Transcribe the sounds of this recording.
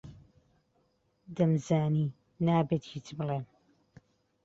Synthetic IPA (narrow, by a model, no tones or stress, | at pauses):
d̪ɐmzaːniː | naːbeːt̪hiːt͡ʃbɨleːm